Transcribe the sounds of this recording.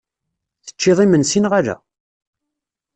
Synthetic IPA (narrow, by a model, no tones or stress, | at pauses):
θə̥t͡ʃːɪðˤimənsinʁaɾæ̰